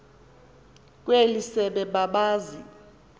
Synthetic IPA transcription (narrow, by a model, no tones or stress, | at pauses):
k̬ʼwelisɛɓɛɓaɓaːzi